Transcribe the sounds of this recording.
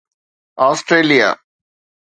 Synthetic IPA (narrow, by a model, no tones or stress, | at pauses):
aːsʈɾeːlija̰